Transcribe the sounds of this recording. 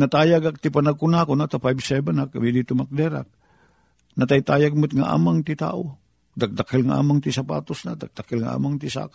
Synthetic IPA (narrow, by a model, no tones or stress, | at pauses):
nɐt̪aːjaɡak̚t̪ɪpanaɡ̚kʊnakonat̪afajbsɛbɛnakːamid̪it̪ʊmak̚d̪ɛɾa̰k̚ | nɐt̪ajt̪aːjaɡ̚mʊt̪ŋaʔa̰ːmaŋt̪ɪt̪a̰ːʔo | d̪ak̚d̪akɪlŋaʔa̰ːmaŋt̪isapa̰ːt̪osnad̪ak̚d̪akɪlŋaʔa̰ːmaŋt̪isa̰k